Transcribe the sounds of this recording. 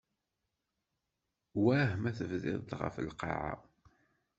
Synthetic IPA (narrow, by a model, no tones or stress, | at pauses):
wæhmæθəvðɪ̰ðt̪ʁə̰fəlqɑ̰ʕa̰